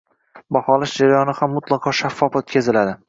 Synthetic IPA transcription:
bahɒlaʃd͡ʒaɾajɒnɪhamːʊt̪lˠɑqʰɒʃafːɒfat̪̚kʲʰe̞zɪlad̪ɪ

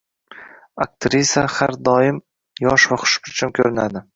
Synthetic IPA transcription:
ak̚t̪ɾisʲahaɾd̪ɒɪm | jɒʃvaχʰʊ̥ʃpʰʊt͡ʃʰɪmkʲʰɵɾɪnad̪ɪ

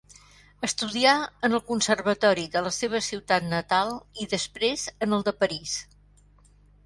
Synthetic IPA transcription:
əst̪uðiaənəlˠkunsərβət̪ɔɾiðələseβ̞əsiwt̪at̪nət̪alˠiðəspɾezənəlˠd̪əpəɾis

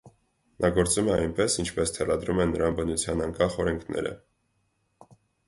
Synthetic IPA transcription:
nʔɑɡɔɾt͡sumɛɑjnpɛsint͡ʃʰpɛst̪ʰɛrɑd̪ɾumɛnːəɾɑnbənut͡sʰjɑnɑŋkɑχɔɾɛŋkʰnɛ̰ɾə̰

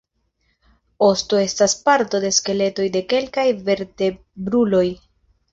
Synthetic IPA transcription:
o̞sto̞e̞staspaɾto̞de̞ske̞le̞to̞jde̞ke̞lkajve̞ɾte̞ | bɾulo̞j

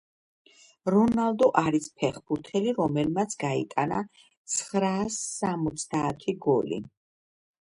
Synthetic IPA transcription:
ɾɔnalˠd̪ɔʔaɾispʰɛχbuɾt̪ʰɛliɾɔmɛlmat̪sʰɡaḭt̪ʼana̰ | t̪sʰχɾasːamɔt̪sʰd̪aːt̪ʰiɡɔlḭ

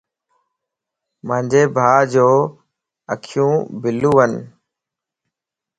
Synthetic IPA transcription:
mə̃ːɲd͡ʑeːbʱaːd͡ʒoː | əkʰjũːbɪlũːɦən

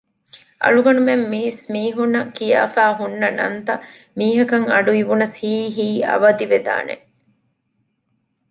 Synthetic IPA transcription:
ʔɐ̰ɭuɡɐnumemːiːsmiːɦunːɐkija̰ːfæːɦunːɐnɐ̰nt̪ɐ | miːɦɐkɐŋɐɖuiʋunɐshiːɦiːɐ̰ʋɐd̪iʋed̪a̰ːnḛ

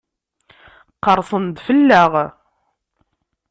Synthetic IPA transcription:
qːəɾˤsˤənd̪fəlːæʁ

